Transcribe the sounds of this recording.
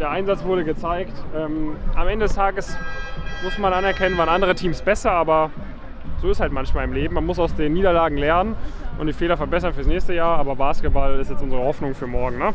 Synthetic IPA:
d̥eːɐʔaɪnzat͡sv̥ʊɐɾəɡət͡saɪktʔɛːmʔamʔɛndədɛstʰaːɡəsmʊsmanʔanɛɐkʰɛnənvaːɐnʔandəʁ̞ətʰiːmsb̥ɛsɐaːbɐ | z̥oːɪsthalt̚mançmaːlɪmleːbm̩manmʊsaʊsd̥eːnːiːdɐlaːɡŋ̩lɛɐnənʔʊntd̥iːfeːlɐfɛɐbɛs̬ɐnfyːɐsnɛːçstəjaːɐʔaːbɐbaːskət̚b̥alɪstjɛt͡stʔʊnzəʁəhɔfnʊŋfyːɐmɔɐɡŋ̩nə

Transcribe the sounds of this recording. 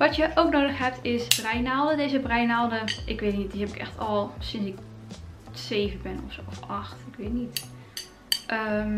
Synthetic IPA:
ʋɑtjəʔowknowdəxɦɛp̚tʰɪsb̥rɛjnalˠdədejzəbrɛjnalˠdəʔɪkʋeːtnit̚diɦɛbɪkɛxtɔlˠsɪnsɪk | seːvəbɪnɔ̰fsoɔfɑxtɪkʋeːtnit | ʔəm

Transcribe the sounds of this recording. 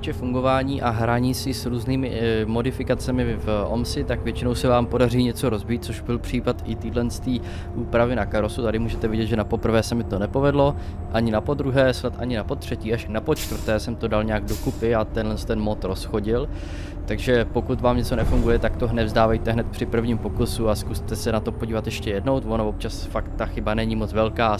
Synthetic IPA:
it͡ʃɛfuŋɡo̞vaːɲiːʔaɦɾaɲiːsɪsɾuːzniːmɪmo̞dɪfɪkat͡sɛmɪvʔo̰msɪt̪akvjɛt͡ʃɪno̞wsɛvaːmpo̞dariːɲɛt͡so̞ɾo̞zbiːt̪̚t͡so̞ʒbɪlpr̝̥iːpat̪ʔɪt̪iːdlɛnst̪iː | ʔuːpɾavɪnakaɾo̞sut̪adɪmuːʒɛt̪ɛvɪɟɛt̪ʒɛnapo̞pr̩vɛːsɛmɪt̪o̞nɛpo̞vɛdlo̞ | ʔaɲɪnapo̞d̪ɾuɦɛːsnɛt̪ʔaɲɪnapo̞t̪r̝̥ɛciːaʃnapo̞t͡ʃt̪vr̩t̪ɛːsɛmt̪o̞dalɲɛaɡ̚do̞kupɪat̪ɛnlɛnst̪ɛnmot̪ɾo̞sxo̞ɟɪl | t̪aɡʒɛpo̞kut̪vaːmɲɛt͡so̞nɛfuŋɡujɛt̪akt̪oɦnɛvzdaːvɛjt̪ɛɦnɛt̪̚pr̝̥ɪpr̩vɲiːmpo̞kusuaskust̪ɛsɛnat̪o̞po̞ɟiːvat̪jɛʃcɛjɛdno̞wt̪vonavo̞p̚t͡ʃasfakt̪ːaxɪbanɛɲɪmo̞t͡svɛlkaː

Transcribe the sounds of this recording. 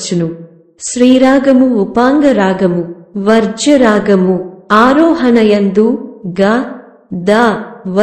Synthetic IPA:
t͡ʃunu | ʃɾiːɾaːɡɐmuːpaːŋɡɐɾaːɡɐmuʋɐɾd͡ʒɐɾaːɡɐmuaːɾɔːɦɐɳɐjɐnd̪uɡa | d̪aːʋɐ

